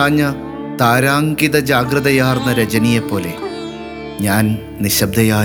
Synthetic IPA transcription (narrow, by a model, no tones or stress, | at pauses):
aːɲːɐ | t̪aːɾaːŋɡiðɐd͡ʑaːɡɾɐðɐjaːrnːɐɾɐd͡ʑɐnijepːo̞ːle̞̰ | ɲaːn | niɕɐb̚d̪ʱɐjaː